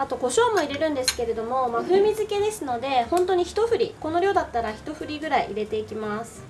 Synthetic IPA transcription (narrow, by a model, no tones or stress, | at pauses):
at̪o̞ɡo̞ɕo̞ːmo̞iɾe̞ɾɯ̟̃nd̪e̞sɨ̥ke̞ɾe̞d̪o̞mo̞maɸɯ̟ːmʲizɨke̞d̪e̞sɨno̞d̪e̞hõ̞nt̪oɲ̟içi̥t̪o̞ɸɯ̟ɾʲiko̞no̞ɾʲjo̞ːd̪at̪ːaɾaçi̥t̪o̞ɸɯ̟ɾʲiɡɯ̟ɾaiʔːɾe̞t̪e̞ikʲimasɨ̥